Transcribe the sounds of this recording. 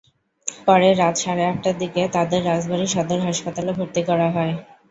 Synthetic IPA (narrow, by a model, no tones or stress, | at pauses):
pɔɾeɾat̪ʃaɾeɛk̚ʈad̪iket̪ad̪eɾːad͡ʑbʱaniʃɔd̪oɾɦaʃpat̪alebʱoɾt̪ikɔɾaɦɔe